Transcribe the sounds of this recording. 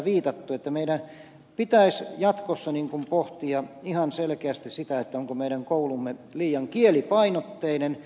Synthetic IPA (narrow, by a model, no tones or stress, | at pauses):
ʋiːt̪ɑt̪ːuet̪ːæmeiɾæn | pit̪æisjɑt̪kosːɑniŋkumpoht̪iɑihɑnselkeæst̪issit̪æet̪ːæoŋkomeiɾæŋkoulumːeliːjɑŋkielipɑinot̪ːeinen